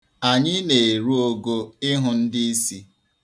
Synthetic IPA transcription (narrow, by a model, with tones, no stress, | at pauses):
a˨ɲɪ˦ne˨e˨ɾu˦o˦ɡo˦ɪ˦ɦʊ˦n̩˦dɪ˦i˦si˦